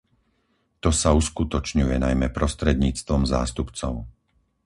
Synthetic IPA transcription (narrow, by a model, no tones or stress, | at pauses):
t̪ɔsauskut̪ɔt͡ʃɲujɛnajmɛpɾɔst̪ɾɛd̪ɲiːt͡st̪ʋɔmza̰ːst̪upt͡sɔʊ